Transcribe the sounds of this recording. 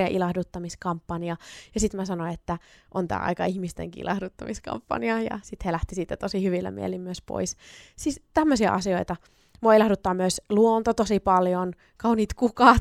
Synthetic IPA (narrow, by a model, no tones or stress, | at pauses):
ɑʔilɑhdut̪ːɑmiskɑmpːɑniɑjɑsit̪mæsɑnonet̪ːæʔont̪æ̰ːɑ̰ikɑihmist̪ḛŋkiʔḭlʔɑ̰hdut̪ːɑmiskɑ̰mpːɑ̰niɑjɑ̰sit̪helæht̪isiːt̪ːæt̪osihyʋilːæ̰mḭḛlimmyøspo̰issist̪æmːøsiɑ̰ʔɑsioit̪ɑ | moilɑhdut̪ːɑːmyøsluont̪ot̪osipɑljon | kɑuniːt̪kukɑ